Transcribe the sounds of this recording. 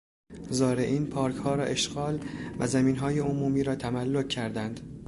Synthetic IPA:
zɒːɾeʔiːnpʰɒːɾkʰhɒːɾɒːʔe̞ʃɡ̥ɒːlvæ̰zæmiːnɦɒːje̞omuːmiːɾɒːt̪ʰæmælːocʰːæɾd̪ænd̪

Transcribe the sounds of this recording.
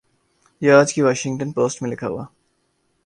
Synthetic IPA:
jaːd͡ʒkiʋaːʃɪ̃ŋɡʈə̃npoːsʈmilɪkʰɐ̰ʋa̰

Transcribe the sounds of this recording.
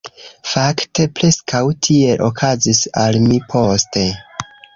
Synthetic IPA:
fakte̞pɾe̞skʰawtʰie̞ʔo̞̰kʰazisalmipʰo̞ste̞

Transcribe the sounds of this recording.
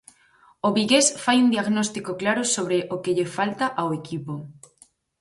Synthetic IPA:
oβiɣesfajund̪iaɣnost̪ikoklaɾosoβ̞ɾeʔokeʎefalt̪aʔaoekipo

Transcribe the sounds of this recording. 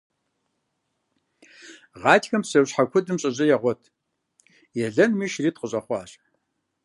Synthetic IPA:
ʁɑːtʰxɐmsɐwɕħakʷʰʊdɨmɕʼɐʑʼɐjɛʁʷɔtʰ | jɛɮɐnmiːʃriːt̚qəɕʼɐχʷɑːɕ

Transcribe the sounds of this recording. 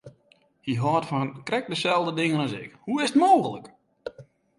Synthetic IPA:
hiɦɔːtfɔnkrɛk̚dəsɛlˠdədɪŋənɔsɪ̰khuɪsətmoːɣələk

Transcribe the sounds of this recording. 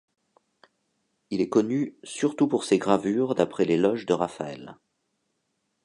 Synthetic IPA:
ilɛkɔnysyʁt̪upuʁseɡʁavyʁd̪apχɛlelɔʒd̪əʁafaɛ̰l

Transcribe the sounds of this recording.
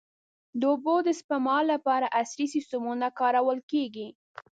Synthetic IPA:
d̪əobod̪əspamɑlːapɑɾaʔasɾisɪst̪umunakɑɾawəlkeɡi

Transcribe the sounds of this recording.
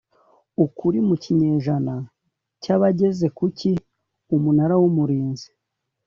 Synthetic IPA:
ukuɾimuciɲe̞ːʒana | caβaɟe̞ze̞kuci | umunaɾawumuɾiːnzi̥

